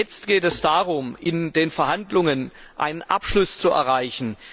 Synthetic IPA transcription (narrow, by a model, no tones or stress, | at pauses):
ɛt͡stɡ̥eːtɛsd̥aːʁʊmʔɪndeːnfɛɐɦhandlʊŋən | ʔa̰ɪnənʔa̰pʃlʊst͡suʔɛ̰ɐʁaɪçn̩